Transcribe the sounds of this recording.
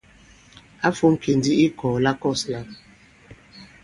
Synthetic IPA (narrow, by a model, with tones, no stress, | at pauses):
a˦fu˦m̩˦kʰe˨ndi˦i˦kɔ˨la˦kɔ˦˨sla˦